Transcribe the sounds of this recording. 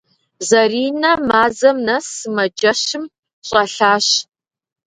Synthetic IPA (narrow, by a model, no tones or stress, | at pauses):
zɐriːnɐmaːzɐmnɐsɨmɐd͡ʒɐɕɪm | ɕʼɐɬaːɕ